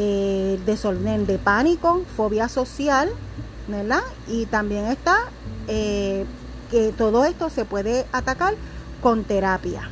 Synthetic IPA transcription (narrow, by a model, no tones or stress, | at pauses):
ed̪e̞solnend̪e̞paniko̞fo̞βjaso̞sjal | neɾd̪a | it̪ambje̞ŋe̞st̪a | e | ket̪o̞ðoe̞st̪o̞se̞pwe̞ðe̞ʔat̪akaɾ | ko̞nt̪e̞ɾapja̰